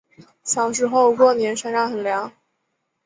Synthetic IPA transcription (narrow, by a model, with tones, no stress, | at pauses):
ɕjɑ˨˩ʊʂ̬ɻ̩˧˥xo˥˧ʊkwɔ˥˩njɛ˧˥nʂa˥ŋʂɑ˥˩ŋxə˨˩nljɑ˧˥ŋ